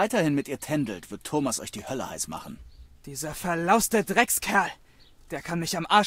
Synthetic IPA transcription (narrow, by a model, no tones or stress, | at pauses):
aɪtɐhɪnmɪtʔiːɐtʰɛndl̩tv̥ɪɐtʰːoːmasʔɔ̰çd̥iːhœlə̰haɪsma̰χn̩d̥iːzɐfɛɐlaʊstədʁɛkskʰɛɐl | d̥eːɐkʰanmɪçamʔaːɐ